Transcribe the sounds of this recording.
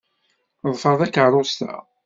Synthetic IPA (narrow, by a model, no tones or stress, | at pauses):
ðˤfəɾˤðækəʕɾˤʊst̪æ̰